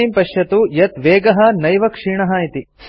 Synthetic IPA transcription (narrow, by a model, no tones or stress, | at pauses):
impɐʂjɐt̪ujɐt̪ʋeːɡɐɦɐnɐjʋɐkʂiːɳɐɦɐit̪i